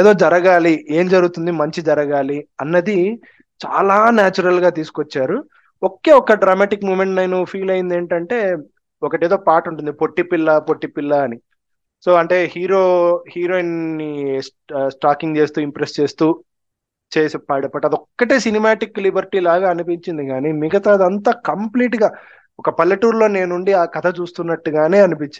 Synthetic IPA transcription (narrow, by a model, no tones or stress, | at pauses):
eːd̪o̞ːd͡ʒɐɾɐɡaːlie̞ːmd͡ʒɐɾuɡut̪und̪imɐɲt͡ʃid͡ʒɐɾɐɡaːliɐnːɐd̪i | t͡ʃa̰ːlaːnaːt͡ʃuɾɐlɡaːt̪̬iːsu̥kot͡ʃːaːɾu | oke̞ːɔkːɐɖɾamaːʈikmuːmeɳʈnɐjnupʰiːlɐjind̪e̞ːɳʈɐɳʈe̞ː | ɔkɐʈe̞ːd̪o̞ːpaːɾʈuɳʈund̪ipoʈːipilːɐpoʈːipilːɐːni | so̞ːɐɳʈe̞ːhiːɾoːhiːɾoːinːis | sʈaːkiŋɡt͡ʃe̞ːst̪uːimpɾest͡ʃe̞ːst̪uː | t͡ʃe̞ːsipaːɽɐpɐʈːaɐd̪ɔkːɐʈeːsinimaːʈikːlibɐɾʈiːlaːɡaːɐnupiɲt͡ʃind̪iɡaːnimiɡɐt̪ɐɐd̪ɐnt̪ɐːkɐmpliːʈɡaː | ɔkɐpɐlːɐʈuːɾlo̞ːne̞ːnuɳɖiaːkɐt̪ʰɐt͡ʃuːst̪unːɐʈːuɡaːne̞ːɐnupiɲt͡ʃi